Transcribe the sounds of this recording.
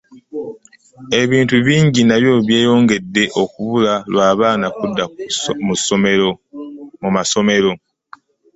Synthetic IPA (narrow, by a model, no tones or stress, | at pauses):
e̞βiːntuβiːɲɟinaβjo̞βje̞ːjo̞ːŋɡe̞dːe̞ʔo̞kuβulalwaːβaːnakudːamusomeɾomumaso̞me̞ɾo̞